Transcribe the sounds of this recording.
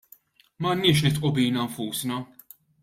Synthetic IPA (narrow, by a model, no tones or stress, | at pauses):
mɐnːɪːʃ̬nɪt̪ʔʊbiːnɐɱfuːsnɐ